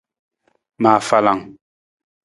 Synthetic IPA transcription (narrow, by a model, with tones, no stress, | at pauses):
maː˨fa˦˨la˨ŋ